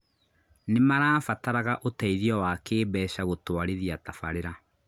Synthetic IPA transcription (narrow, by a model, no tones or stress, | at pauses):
nemaɾaːfataɾaɣaʔotaiðjɔwakeːbɛːɕaɣotwaɾeðiatafaɾeɾa